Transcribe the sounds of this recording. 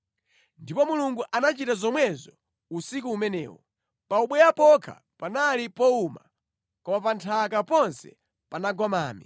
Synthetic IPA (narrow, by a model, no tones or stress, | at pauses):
ndipɔmuluŋɡuʔanat͡ʃitazɔmwɛzɔ | usik̬uːmɛnɛ̰ːwɔ | pauɓwɛjapɔkʰa̰ | panalipɔuma̰ | kɔmapantʰakapɔnsɛ̰ | panaɡɔmaːmi